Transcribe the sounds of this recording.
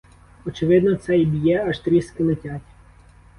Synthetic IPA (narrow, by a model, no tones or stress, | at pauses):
ɔt͡ʃɪʋɪd̪nɔt̪sɛjbʲijɛɐʒt̪ɾʲiskɪlˠɪtʲɑtʲ